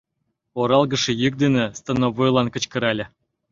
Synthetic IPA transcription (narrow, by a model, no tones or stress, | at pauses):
oɾɑlˠɡə̆ʂĕjək̚d̪enʲĕst̪ɤ̆novojlˠɑnkə̆t͡ɕkə̆ɾɑlʲɘ̆